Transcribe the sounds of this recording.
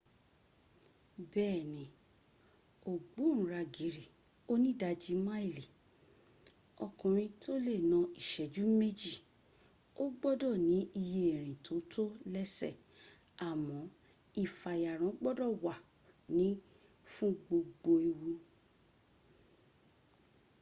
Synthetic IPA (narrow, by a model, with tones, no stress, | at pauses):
bɛː˦˨nĩ˨ | o˨ɡ͡bo˨˦n̩˨˦ɾa˧ɡi˨˦ɾi˦˨ | o˦nĩ˦da˧d͡ʒi˧ma˦i˦˨li˨ | ɔ˧˨kũ˨ɾ̃ĩ˧tʰo˦le˦˨nã˧i˨ʃɛ˨d͡ʒu˨˦me˦d͡ʒi˦˨ | o˦ɡ͡bɔ˦dɔ˦˨nĩ˨˦i˧je˦˨ɾ̃ĩ˨tʰo˨˦tʰo˦lɛ˦sɛ̰˦˨ | a˨mɔ̃˨˦ | i˦˨fa˨ja˨ɾ̃ɔ̃˨˦ɡ͡bɔ˦dɔ˦˨wa˨ | nĩ˨˦ | fũ˦ɡ͡bo˧ɡ͡bo˧i˧wu˧